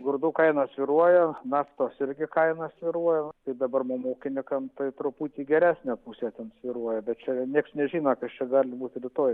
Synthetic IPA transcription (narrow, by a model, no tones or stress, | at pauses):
ɡʊrd̪uːkɐɪnɐsʲʋʲiɾuɔjɛnɑːft̪oːsɪɾʲɡʲɪkɐɪnɐsʋʲiɾuɔjɛt̪ɐɪd̪ɐbɐrmoːmoːkʲɪnʲɪkɐmt̪ɐɪt̪ɾʊpuːt̪ʲiːɡʲɛɾʲæːsʲnʲæːpuːsʲɛːt̪ʲɛnsʲʋʲiɾuɔjɛbʲɛt̪t͡ʃʲɛnʲiɛksnʲɛʒʲiːnokɐst͡ʃʲɛɡɑːlʲɪbuːt̪ɾʲɪt̪oːj